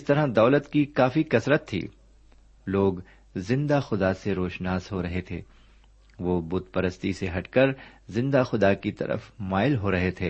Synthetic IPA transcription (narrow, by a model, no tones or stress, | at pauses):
st̪ɐɾad̪ɔːlət̪kikaːfikɐsɾət̪ʰːḭː | loːɡ | zɪ̃nd̪axʊd̪aseɾoːʃnaːzɦoɾɐɦet̪ʰḛː | ʋoːbʊt̪̚pɐɾəst̪iseɦɐʈkɐɾzɪ̃nd̪axʊd̪akit̪ɐ̰ɾə̰fmaːɪlɦoɾɐɦet̪ʰeː